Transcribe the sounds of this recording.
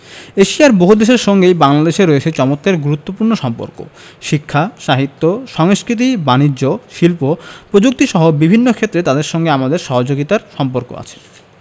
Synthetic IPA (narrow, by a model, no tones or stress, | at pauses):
eʃiaɾboɦud̪eʃeɾʃɔŋɡejbaŋlad̪eʃeɾoet͡ɕʰet͡ɕɔmot̪ːeɾɡuɾut̪ːopuɾnoʃɔmpo̰ɾko̰ʃikʰːaʃaɦit̪ːoʃɔŋskɾit̪̬ibanid͡ʑoʃilpopɾod͡ʑuk̚t̪iʃɔɦobibʱinːokʰet̪ːɾet̪ad̪eɾʃɔŋɡeamad̪eɾʃɔɦod͡ʑoɡit̪aɾʃɔmpoɾko̰a̰t͡ɕʰe̥